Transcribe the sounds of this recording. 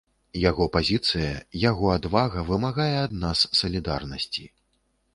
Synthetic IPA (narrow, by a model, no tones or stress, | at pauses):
jaɣɔpazʲit̪sɨjɐjaɣɔad̪vaɣɐvɨmaɣajɛad̪nasːɐlʲid̪arnɐsʲt͡sʲi